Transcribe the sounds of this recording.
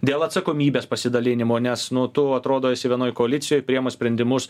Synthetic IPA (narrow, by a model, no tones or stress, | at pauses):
d̪ʲeːlˠɐt̪sɐkoːmʲiːbʲeːspɐsʲɪd̪ɐlʲɪnʲɪmoːnʲɛsnʊt̪ʊɐt̪ɾoːd̪oːjɛsʲɪʋʲiɛnoːjkoːɐlʲɪt̪sʲɪjoːjpʲɾʲijɛmoːsʲpʲɾʲɛnʲd̪ʲɪmʊs